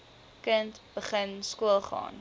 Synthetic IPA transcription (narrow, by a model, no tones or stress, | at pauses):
kəntb̥əχənskuəlˠχɑ̰ːn